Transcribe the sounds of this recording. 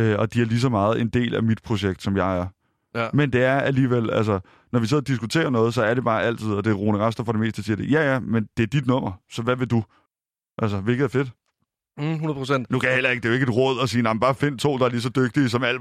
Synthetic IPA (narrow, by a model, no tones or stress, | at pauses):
øɒ̽d̥iæɐlis̬ɒ̽mɑ̈ːð̞̩ˠe̝nd̥e̝̰ːlæmid̥pʰʁo̝ɕeɡ̥̚d̥sɒ̽mjɑ̈ɪæɐ | mend̥e̝æɐæliːʋel̰æls̬ɒ | nɒʋise̝ð̰ˠɒd̥isɡ̥ut͡sʰe̝̰ːɐnɔ̽ːð̩ˠs̬ɒ̽æɐɾe̝b̥ɑ̈ːʔæl̰t͡sʰið̞̰ˠɒ̽d̥e̝ʁo̝ːnəʁɑsd̥ɐfɒɾ̥eme̝ːsd̥əsiːɐd̥e̝jæjæmend̥e̝æɐd̥id̥nɔ̽m̰ɐsɒ̽ʋæʋe̝d̥u | ʔæls̬ɐʋe̝lɡ̥ðˠæɐfe̝d̥ | unɐpʰosen̰d̥nukʰæjɑ̈hel̰ɐe̝ɡ̥əd̥eoe̝ɡ̥e̝dʁɔ̽ð̞̰ˠɒ̽siːnɑmb̥ɑ̈ːfe̝n̰t͡sʰo̝̰ːd̥ɑ̈æɐlis̬ɒ̽d̥øɡ̥̚d̥isɒ̽mæl̰